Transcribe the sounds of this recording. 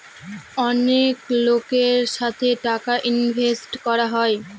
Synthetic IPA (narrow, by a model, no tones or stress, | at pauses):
ɔneklokeɾʃat̪ʰeʈakaʔinbʱesʈkɔɾaɦɔe